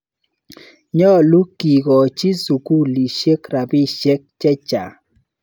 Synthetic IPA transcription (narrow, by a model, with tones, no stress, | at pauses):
ɲɔ˦˨lu˦ki˨ɡɔ˨t͡ʃi˦su˨ku˦li˨ʃe˦kɾa˨bi˦ʃe˦k̚t͡ʃɛ˦t͡ʃa̰˨